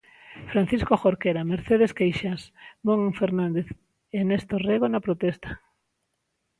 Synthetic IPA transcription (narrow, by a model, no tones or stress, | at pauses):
fɾanθiskoxoɾkeɾameɾθeð̞eskejʃasmoŋfeɾnãnd̪eθ | enest̪oreɣonapɾot̪ɛst̪ḁ